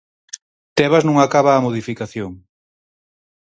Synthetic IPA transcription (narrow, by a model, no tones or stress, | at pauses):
t̪ɛβaznũŋakaβaːmoð̞ifikaθjoŋ